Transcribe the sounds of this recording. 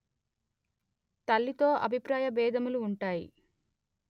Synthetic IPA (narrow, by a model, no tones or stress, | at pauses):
t̪ɐlːit̪o̞ːʔɐ̰bʱipɾaːjɐbɛːd̪ʱɐmuluːɳʈaːjḭ